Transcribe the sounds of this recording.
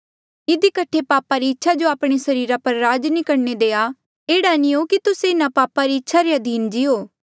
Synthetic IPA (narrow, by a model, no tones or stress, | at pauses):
ɪd̪ikɐʈʰepaːpaɾiɪtːʃʰad͡ʒoaːpɽ̃esɐɾiːɾapɐɾːaːd͡ʒnikɐɾned̪eːa | eːɽaniokit̪ʊseɪnãpaːpaɾiɪtːʃʰaɾeɐd̪ʱiːnd͡ʒiɦoː